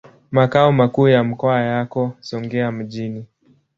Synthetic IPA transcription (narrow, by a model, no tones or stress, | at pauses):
makaɔmakuːjam̩kɔajakɔsɔŋɡɛam̩ʄini